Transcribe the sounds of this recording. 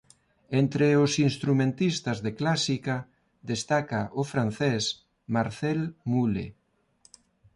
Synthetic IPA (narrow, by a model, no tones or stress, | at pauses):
ent̪ɾeosinst̪ɾumẽnt̪ist̪azðeklasika | d̪est̪akaʔofɾan̟θɛs | maɾθɛlmulḛ